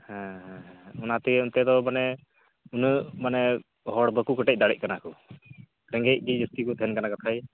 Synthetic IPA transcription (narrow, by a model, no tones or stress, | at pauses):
hɛ̃ɦɛ̃ɦɛ̃ɔnat̪ɛunt̪ɛd̪ɔmanɛ | unəmanɛ | ɦɔɽbəkukəʈɛc̚ˀd̪aɽɛ̰c̚ˀkanaku | ɾɛŋɡɛc̚kid͡ʒəst̪ikɔt̪ʰɛnkanakat̪ʰaj